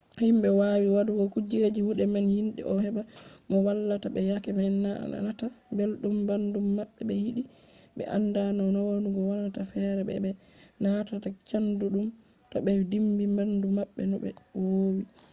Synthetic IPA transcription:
himɓɛwawiwaduɡɔkud͡ʒed͡ʒihuɗɛmanhinɗḭʔɔhɛbamɔwalːatabɛjakɛmana̰na̰natabelɗumbandumːaɓːɛbɛjiɗi | ɓɛ̰ʔa̰ndanɔnɔwonuɡɔwanatafɛɾɛbɛ̰bɛ | natatat͡ʃanduɗum | tɔɓɛdimbimbandumaɓːɛnɔbɛ̰wowi

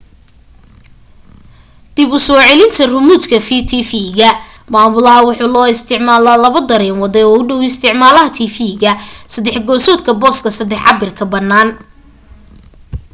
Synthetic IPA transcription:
d̪̥ɪbʊsɔːʕɛlɪnt̪ʰɐrʊmuːt̪kʰɐfiːt̪ʰifiɣɐ | maːmʊlɐɦɐwʊħuːlɔːɪst̪ʰɪʕmaːlaːlɐβɐd̪ɐɾɛːnwɐðɛɔːʊɖɔwɪst̪ʰɪʕmaːlɐɦɐt̪ʰiːfiɣɐsɐd̪ɛħɡɔːsɔːd̪kʰɐbɔːskʰɐsɐd̪ɛħʕɑbɪrkʰɐbɐnːaːn

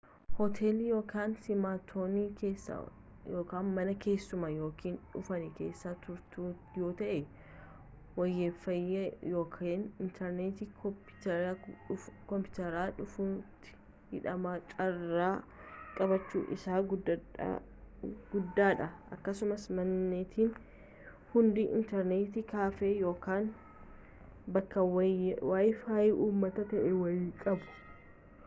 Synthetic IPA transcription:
hɔt̪ʰeːlijo̞ːkaːnsɪmaːt̪ʰoːniːkeːs | joːkaːnmɐnɐke̞ːsːʊmɐjo̞ːkʰiːnᶑʊfɐnɛke̞̰ːsːaːt̪ʊɾt̪uː | jo̞ːt̪ɐʔɛ | wɐjːeːfːɐjːɐjo̞ːkʰeːnɪnt̪ʰɛɾneːt̪ɪ | kɔmpʊt̪ɐɾaːᶑʊfuːt̪ːɪ̥ | hɪᶑɐmaːt͡ʃʼɐrːaː | kʼɐbɐt͡ʃːṵːʔɪ̰saːɡʊ̰ | ɡʊd̪ːaːᶑɐʔɐkːɐsʊmɐsmɐnːeːt̪ʰiːn | hʊnd̪ɪʔɪ̰nt̪ɛɾneːt̪ɪkaːfeːjo̞ːkaːn | bɐkːɐwaːjfaːjɪʔuːmːɐt̪ɐt̪ɐʔɛwɐjkʼɐbʊ̥

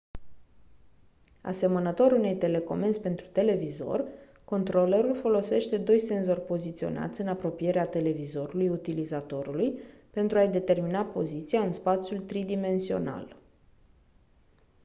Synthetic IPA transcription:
a̰se̞mənət̪o̞ɾune̞jt̪e̞le̞ko̞̰mensʲpe̞nt̪ɾu̥t̪e̞le̞vizo̞̰r | ko̞nt̪ɾo̞le̞ɾulfo̞lo̞se̞ʃt̪e̞d̪o̞jse̞nzo̞rʲpo̞zit̪sio̞̰na̰t̪sʲɨnapɾo̞pije̞ɾeat̪e̞le̞vizo̞ɾulujut̪ilizat̪o̞ɾulujpe̞nt̪ɾuajd̪e̞t̪e̞rminapo̞̰zit̪siaɨnspat̪sʲjult̪ɾid̪ime̞nsio̞̰na̰l

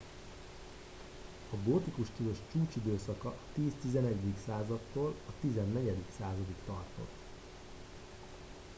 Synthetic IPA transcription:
ɒɡoːt̪ikuʃkiloʃt͡ʃuːt͡ʃid̪øːsɒkɒʔt̪iːst̪izɛnɛɟd̪iksaːzɒt̪ːoːlɒt̪izɛnːɛɟɛd̪iksaːzɒd̪ikt̪ɒrt̪o̞̰t̪ː

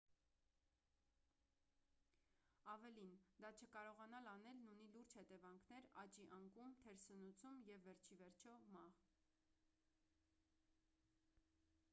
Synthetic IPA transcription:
ɑvɛlind̪ɑt͡ʃʰəkɑɾɔʁɑnɑlɑnɛlnuniluɾd͡ʒhɛt̪ɛvɑŋkʰnɛɾɑt͡ʃiʔɑŋkumt̪ʰɛɾsənut͡sʰumjɛvːɛɾt͡ʃʰivɛɾt͡ʃʰɔmɑʁ

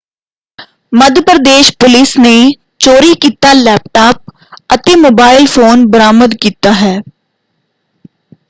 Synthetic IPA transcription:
məd̪ʱjəpɾəd̪eːʃpʊlɪsne | t͡ʃoːɾikit̪alɛːp̚ʈaːp̚ | ət̪emoːbaːɪlfʰoːnbəɾaːməd̪kiːt̪aɦɛː

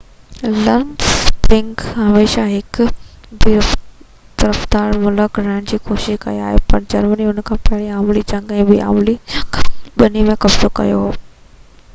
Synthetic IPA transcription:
lɐnspɾɪ̃ŋkɦɐmeːʃaɦɪk | bɪɾəf | t̪ɐɾəfd̪aːɾmʊləkɾaːɪɽ̃d͡ʑiːkoːʃɪʃkɐ̰ia̰ːɦepɐɾd͡ʑɐɾməniɦʊnkʰãːpɐɦɪɽiaːmlit͡ɕɐ̃ŋɡɛ̃bɪa̰ːmli | ɓɐnimẽkɐbzokɐ̰joɦoː

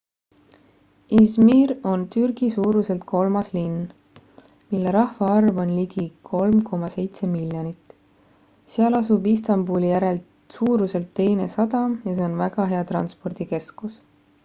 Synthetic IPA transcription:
ismiro̞nt̪yrɡ̥isuːɾuse̞lt̪̚kʰo̞lmɑslin | milːe̞ɾɑhvɑɑrvo̞nliɡikʰo̞lmko̞mɑse̞jt̪se̞miljonit̪ | seɑlɑsubist̪ɑmbuːlijæɾe̞lt̪ | suːɾuse̞lt̪ːe̞jne̞sɑd̪ɑmjɑseo̞nvæɡ̥ɑɦe̞ɑt̪rɑ̰nspo̞rd̪̥ike̞skus

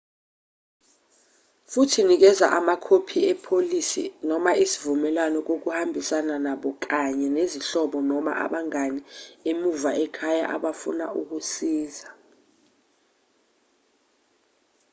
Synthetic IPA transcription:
futʰinik̬ɛza̰ʔamakʰopʰiɛpʰolisḭnɔmaʔisi̥vumɛlwanɔk̬ok̬uhambʱisananaɓɔk̬aɲɛneziɬɔɓɔnɔma̰ʔa̰ɓaŋaniemuvaʔɛkʰaja̰ʔa̰ɓafṵnauk̬usiːza

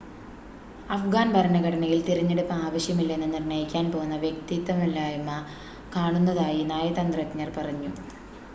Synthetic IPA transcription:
ɐfɡaːnbɐɾɐɳɐɣɐɽɐnɐjilt̪iɾɐɲːeɽupːɐaːʋɐɕjɐmilːenːɨnirɳɐjikʲːaːnpo̞ːnːɐʋjekt̪it̪ːɐmɐlːaːjɐmɐ | kaːɳunːɐðaːjinaːjɐt̪ɐnd̪rɐkɲɐrpɐrɐɲːu

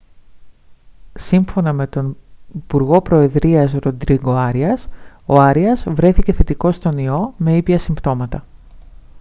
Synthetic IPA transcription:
siɱfo̞nɐme̞t̪o̞nipuɾɣo̞pɾo̞e̞ðɾiɐzɾo̞d̪ɾiɡo̞ɐɾiɐs | o̞ɐɾiɐzvɾe̞θice̞θe̞t̪iko̞st̪o̞nio̞me̞ipʝɐsimbt̪o̞mɐt̪ɐ

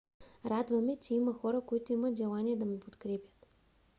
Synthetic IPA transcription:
ɾad̪vɐmɛt͡ʃɛimɐxɔɾɐkoit̪oimət̪ʒɛlˠanijɛd̪ɐmipot̪kɾɛpʲət̪

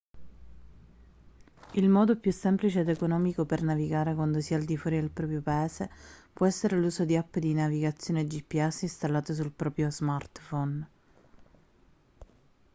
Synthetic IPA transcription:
ilmɔːd̪opjusːɛmplit͡ʃeːd̪ekonɔːmikopernaviɡaːɾekwand̪osiːaːld̪ifwɔːɾid̪elpɾɔːpɾjopaɛːzepwɔɛsːeɾeluːzod̪iapːd̪inaviɡat̪sːjoːned͡ʒipːiɛsːinst̪alːaːt̪os̬ulpɾɔːpɾjozmart̪fɔn

